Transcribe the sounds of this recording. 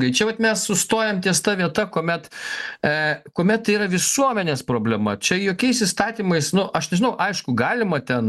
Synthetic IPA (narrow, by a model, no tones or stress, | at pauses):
ɡɐɪt͡ʃʲɛʋɐt̪mʲɛssʊst̪oːjɛmt̪ʲiɛst̪ɐʋʲiɛt̪ɐkoːmʲɛt̪ | koɔmʲɛt̪t̪ːɐɪiːɾɐʋʲɪsuɔmʲɛnʲeːspɾoːbʲlʲɛmɐ̰t͡ʃʲɛjoːkʲɛɪsist̪ɑːt̪ʲiːmɐɪsnʊʔɐʃnʲɛʒʲɪnɐʊʔɐɪʃkʊɡɑːlʲɪmɐt̪ʲɛn